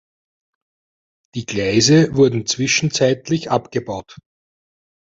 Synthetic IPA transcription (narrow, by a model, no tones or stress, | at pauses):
d̥iːɡ̥læɪzəvʊɐdn̩t͡sv̥ɪʃn̩t͡sæɪtlɪçʔapɡ̥əbaʊt